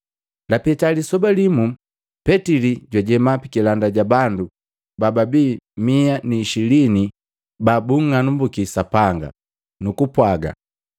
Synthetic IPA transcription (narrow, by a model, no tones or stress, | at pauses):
lapɛtalisɔbalimu | pɛtiliɟwaɟɛmapikilandaɟabandu | bababiːmianiːʃilini | babuŋːanumbukisapaŋɡa̰ | nukupwaɡa̰